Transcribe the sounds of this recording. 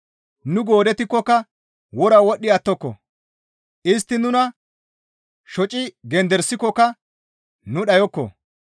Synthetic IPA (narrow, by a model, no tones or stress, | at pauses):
nʊɡo̞ːd̪ɛt̪ɪkːɔkːɐ | wɔɾɐwɔɗːɪɐt̪ːɔkːɔ̰ | ʔɪs̬t̪ːɪnʊnɐ | ʃɔt͡ʃʼɪɡɛnd̪ɛɾsɪkːɔkːɐ | nʊɗɐjɔkːɔ̰